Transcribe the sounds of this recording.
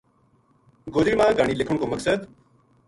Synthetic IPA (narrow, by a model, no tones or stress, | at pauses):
ɡoːd͡ʒɾiːmãːɡaːɳ̃iːlɪkʰʊɳkoːməksəd̪